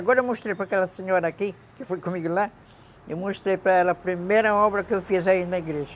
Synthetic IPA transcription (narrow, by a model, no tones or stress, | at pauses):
ɐɣɔɾɐemoʃt̪ɾejpɾɐkɛlɐseɲoɾɐaːki | kɪfojkomiɡula | ewmoʃt̪ɾejpɾɐɛlɐpɾimejɾɐɔβɾɐkewfizɐinɐiɡɾeʒɐ